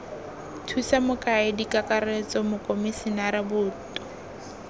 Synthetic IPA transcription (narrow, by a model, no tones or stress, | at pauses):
tʰusamʊkʼaɪdikʼakʼaret͡sʼɔmʊkʼomɪsɪnaɾɪbʊːtʼɔ̥